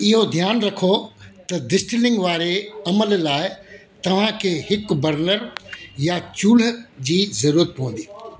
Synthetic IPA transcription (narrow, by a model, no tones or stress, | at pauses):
ɪɦod̪ʱjaːnɾɐkʰot̪ɐd̪ɪsʈɪlɪ̃ŋɡʋaːɾeɐməllaːɪ | t̪ɐʋ̤ãkʰeːhɪkbɐɾnəɾjat͡ɕuːlə̆d͡ʑiːzɐɾuːɾət̪̚pɐʋə̃n̆d̪iː